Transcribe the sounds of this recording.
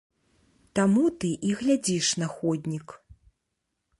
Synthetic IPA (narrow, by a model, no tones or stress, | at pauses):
t̪amut̪ɨʔiɣlʲad͡zʲiʂnɐxɔd̪ʲnʲik